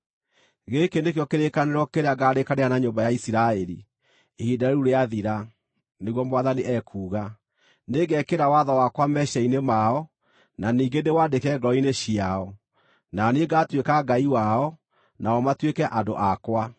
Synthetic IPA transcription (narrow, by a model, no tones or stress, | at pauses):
ɣekenekeɔkeɾekaneɾɔkeɾeaɡaɾekaneanaɲoːmbajaisiɾaɛɾḭ | ehidaɾeuɾeaðiɾa | neɣwɔmwaðaniʔɛkʰuːɣa | neɡɛkeɾawaðawakwamɛʃɛinemaɔ | naniːŋɡenewadekɛɡɔineɕiaɔ | naneɡaːtwekaɡaiwaɔ | naɔmatwekɛʔando̰ʔakwa